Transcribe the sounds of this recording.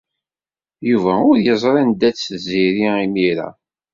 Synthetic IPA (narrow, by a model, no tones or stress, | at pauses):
juvæʊɾjəzˤɾˤɑnd̪æt͡sːziɾiimiɾæ̰